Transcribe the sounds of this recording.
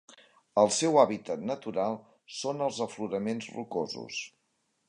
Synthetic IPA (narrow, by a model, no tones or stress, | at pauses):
əlˠsɛwaβit̪ət̪nət̪uɾalˠ | sonəlˠzəfluɾəmenzrukozṵs